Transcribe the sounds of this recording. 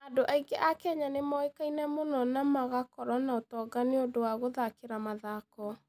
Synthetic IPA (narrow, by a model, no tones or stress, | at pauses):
adoʔaiɡeʔakaɲanemɔekainɛmonɔnamaɣakɔɾɔnaotɔːɡaneodowaɣoðakeɾamaðakɔ